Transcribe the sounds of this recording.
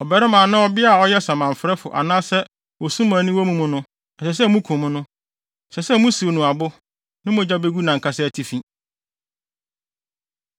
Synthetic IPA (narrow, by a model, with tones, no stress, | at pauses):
ɔ˨bɛ˨ɾɪ˦mãː˨nã˦ɔ˦bɪ˦a˦˨ɔ˦jɛ˦sã˨mã˨m̩˨fɾɛ˦fʊ̰˨ʔa̰˨nãː˦sɛ˦ | wɔ˨sũ˦mãː˨nĩ˦wɔ˦mũ˦mũ˦nʊ̃˦ | ɛ˨sɛ˨s̬ɛ˦mũ˦kʰũ˨mʊ̃˦nʊ̃˦˨ | sɛ˨sɛ˦mũ˦si˨o˨nʊ̃˨a˨bʊ˦ | nɪ̃˦mʊ̃˨d͡ʑa˦be˦ɡu˦nã˨ŋkʰa˦sɛ˦æ˨tʰi˨fĩ˦